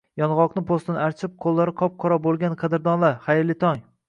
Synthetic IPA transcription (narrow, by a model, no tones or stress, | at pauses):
jɒnʁɒqnɪpʰost̪anaɾt͡ʃʰɪp̚qʰolˠːaɾɪqʰɒp̚qʰɒɾɒbolˠɡʲanqʰɑd̪ɪɾd̪ɒnlaχajɾlɪt̪ʰɒŋ